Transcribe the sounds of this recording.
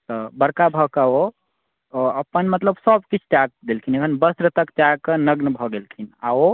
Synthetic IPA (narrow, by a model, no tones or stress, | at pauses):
t̪ɔbəɾkabʱɔkəo | əpənmət̪ləbsəbkit͡ʃʰʈak̚d̪elkʰineɦənbəsɾət̪əkt͡ʃakənəɡnbʱɔɡelkʰina̰o